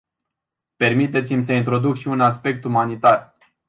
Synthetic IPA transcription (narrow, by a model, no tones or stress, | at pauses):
pe̞rmit̪e̞t̪simʲsəint̪ɾo̞d̪ukʃiunaspe̞k̚t̪umanit̪ar